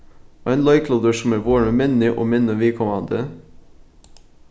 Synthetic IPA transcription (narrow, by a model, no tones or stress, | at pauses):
ʔæɪnlɑɪkʰloːd̪əsɔm̩æːʋoːɾməmɛnɪʔo̰ːmɛnəʋɪːkʰɔmɑnd̪ə